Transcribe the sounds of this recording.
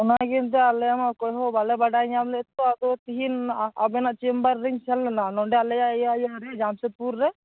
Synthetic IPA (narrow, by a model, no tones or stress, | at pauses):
ɔnaɡint̪̬ɛalɛjamakɔjɦɔbalɛbaɖaɲablɛt̪ɔad̪ɔt̪iɦina̰bɛnaʔt͡ʃimbaɾːiɲsalːɛnanɔɳɖɛalɛjajajaɾɛd͡ʒamsepuɾːɛ